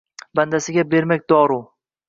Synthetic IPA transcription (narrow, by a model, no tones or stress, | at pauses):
band̪asɪɡʲabe̞ɾmak̚ʲd̪ɒɾu